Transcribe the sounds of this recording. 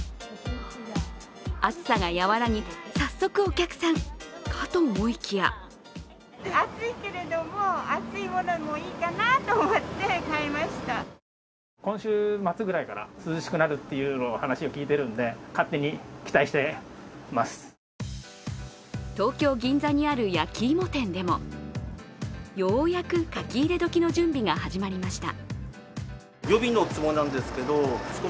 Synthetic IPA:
at͡sɨ̥saɡajaβaɾaɲ̟isasːo̞kɯ̟o̞kʲakɯ̟̥sãŋkʰat̪omomoikʲija̰ | at͡sɨike̞ɾe̞d̪o̞moat͡sɨimo̞nomoiːkanat̪o̞ːmot̪ːe̞kaemaɕi̥t̪a | kõ̞ɕɨːmat͡sɨɡɯ̟ɾaikaɾa̰sɨzɨɕi̥kɯ̟naɾɯ̟t̪ːe̞jɯ̟ːnohanaɕio̞kʲiːt̪e̞ɾɯ̟̃nd̪e̞kat̪ːe̞ɲ̟ikʲi̥t̪aiɕi̥t̪e̞masɨ̥ | t̪o̞ːkʲo̞ːɡʲĩnd͡zaɲ̟iaɾɯ̟jakʲiːmo̞t̪ẽ̞nd̪e̞mo̞̰ | jo̞ːjakɯ̟kakʲiːɾe̞d̪o̞kʲino̞d͡ʑɨ̃mbʲiɡahaʑimaɾʲimaɕi̥t̪a̰ | jo̞bʲinot͡sɨmo̞nːãnd̪e̞sɨ̥ke̞d̪o̞sɨ̥ko

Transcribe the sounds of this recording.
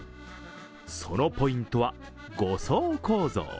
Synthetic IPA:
so̞no̞po̞ĩnt̪o̞βa | ɡosoːko̞ːzo̰ː

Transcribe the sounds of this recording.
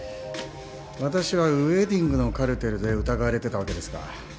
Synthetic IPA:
βat̪aɕiβaɯ̟ed̪ʲĩŋɡɯ̟no̞kaɾɯ̟t̪e̞ɾɯ̟d̪e̞ɯ̟t̪aɡaβaɾe̞t̪e̞t̪aβake̞d̪e̞sɨ̥ka̰

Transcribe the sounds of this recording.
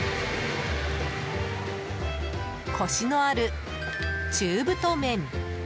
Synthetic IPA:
kʰo̞ɕinoaɾɯ̟ | t͡ɕɨːbɯ̟t̪omẽ̞ɴ

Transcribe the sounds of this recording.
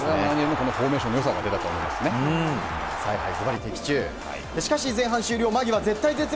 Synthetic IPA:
oɾeamãĩɲʲẽmːoko̞noɸo̞ːme̞ːɕõnːojos̬aɡa̰d̪e̞t̪at̪o̰ːmo̞ima̰sɨnẽ | saiɦa̰isɨbaɾʲit̪e̞kʲi̥t͡ɕɨ̰ː | d̪eɕi̥kaɕizẽ̞ɦãɕɨːɾʲo̞ːmaɡʲiβaze̞t̪ːaize̞t͡sɨ

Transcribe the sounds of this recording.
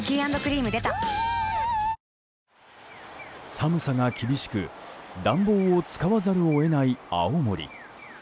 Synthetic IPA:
ɡʲiːãnd̪o̞kɯ̟ɾʲiːmɯ̟d̪e̞t̪a | samɯ̟saŋakʲibʲiɕi̥kɯ̟d̪ãmbo̞ːot͡sɨ̥kaβazaɾɯ̟oe̞naia̰omo̞̰ɾʲḭ

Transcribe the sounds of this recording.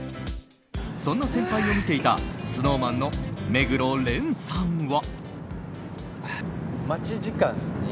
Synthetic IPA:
sõ̞nːasẽ̞mpaio̞mʲit̪e̞it̪a̰sɨno̞ːmãnːo̞me̞ɡɯ̟ɾo̞ɾẽ̞ɰ̃sãɰ̃βa | mat͡ɕiʑikãŋ

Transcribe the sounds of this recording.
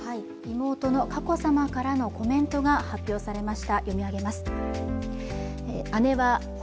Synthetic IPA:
hai | imo̞ːt̪o̞no̞kako̞samakaɾano̞ko̞mẽ̞nt̪o̞ɡahapʲːjo̞ːsaɾe̞maɕi̥t̪ajʔo̞mʲiaɡe̞masɨ̥ | eane̞βa

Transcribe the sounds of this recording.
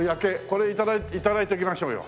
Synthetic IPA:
jakeko̞ɾeit̪ad̪ait̪it̪ad̪ait̪eikʲimaɕo̞ːjo̰

